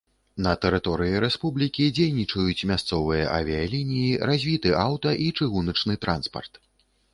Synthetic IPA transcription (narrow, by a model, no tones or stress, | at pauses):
nɐt̪ɛɾɨt̪ɔɾɨjiɾɛspublʲikʲid͡zʲejnʲit͡ʂɐjut͡sʲmʲast̪sɔvɨjɐ̰ʔa̰vʲijalʲinʲijiɾazʲvʲit̪ɨʔawt̪ɐʔit͡ʂɨɣunɐt͡ʂnɨt̪ɾanspɐ̰rt̪